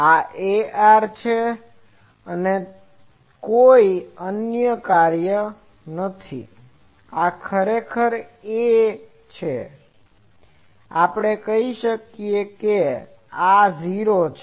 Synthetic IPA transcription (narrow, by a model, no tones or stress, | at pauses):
aʔeaɾt͡ʃʰe | əne | koiənjəkaɾjə | nət̪ʰḭ | akʰəɾekʰəɾe | t͡ʃʰe | apɽ̃ekəɦiʃəkijeke | aziɾot͡ʃʰ